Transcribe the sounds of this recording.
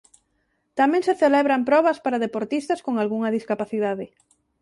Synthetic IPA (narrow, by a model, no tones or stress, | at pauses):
t̪amẽŋseθelɛβɾɐmpɾɔβɐspaɾaðepoɾt̪ist̪ɐskoŋalɣuŋɐðiskapaθiðaðɪ